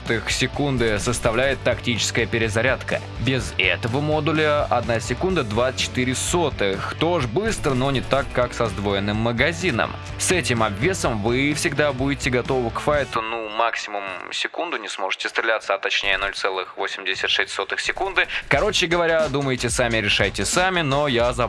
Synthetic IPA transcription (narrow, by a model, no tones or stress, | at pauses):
t̪ɨxsʲɪkund̪ɨsəst̪ɐvlʲæjɪt̪ːɐktʲit͡ɕɪ̥skəjəpʲɪɾʲɪzɐɾʲat̪kə̰ | bʲɪzɛ̰t̪əvəmo̞d̪ʊlʲəɐ̰d̪nasʲɪkund̪əd̪vat͡ɕːɪ̥t̪ɨɾʲɪsot̪ɨxt̪oʐbɨst̪ɾəno̞nʲɪt̪akːaksɐzd̪vo̞jɪnːɨmːəɡɐzʲinə̰m | sɛtʲɪmɐbvʲe̞səmvɨfsʲɪɡd̪abudʲɪtʲɪɡɐt̪o̞vəkfajt̪ʊnumaksʲɪmʊmsʲɪkund̪ʊnʲɪsmo̞ʐɨ̥tʲɪst̪ɾʲɪlʲat̪səɐt̪ːɐt͡ɕnʲejəno̞lʲt̪sɛlˠɨxvosʲɪmdʲɪsʲɪtʲʂɛsʲtʲso̞t̪ɨxsʲɪkund̪ɨkɐɾo̞t͡ɕɪɡəvɐɾʲad̪uməjɪtʲɪsamʲɪɾʲɪʂajtʲɪsamʲɪno̞jazɐ